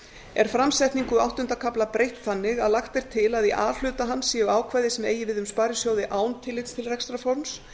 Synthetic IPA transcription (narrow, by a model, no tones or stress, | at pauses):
ɛɾ̥fɾamsɛjht̪niŋkʏawht̪ʏnt̪akʰaplapɾejht̪θanːɪɣaðlaxt̪ejɾ̥t̪ʰɪlaðiʔa̰ːl̥ʏːt̪aɦansːɛʏaːwkʰvajðɪsɛmeːjɪvɪðʏmspaːɾjɪsjoːwðɪʔaːwnt̪ʰɪlːɪt̪st̪ʰɪlrɛkst̪ɾafoɾns